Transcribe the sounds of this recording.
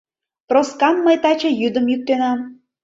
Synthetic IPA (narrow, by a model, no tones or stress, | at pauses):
proskɑmːəjt̪ɑt͡ɕejyd̪əmjyk̚t̪enɑm